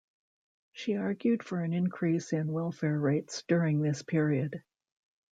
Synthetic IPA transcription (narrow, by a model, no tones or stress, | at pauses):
ʃiɑɹɡjʉd̥fə˞ɨ̃nɨ̃nkʰɹ̥isɪ̃nwɛlˠfɛɹɹeɪtsd̥ʊɹɪ̃ŋðɪspʰɪɹiɨd̥